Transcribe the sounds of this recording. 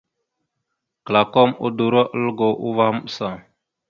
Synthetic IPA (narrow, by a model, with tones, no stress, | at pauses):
kə˨la˨ko˦mṵ˦du˨ɾo˦ʔə˦lɡo˨ʔu˦va˦m˦sa˦˨